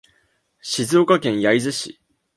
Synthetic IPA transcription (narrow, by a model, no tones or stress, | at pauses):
ɕizɨokakẽ̞ɰ̃jaizɨɕḭ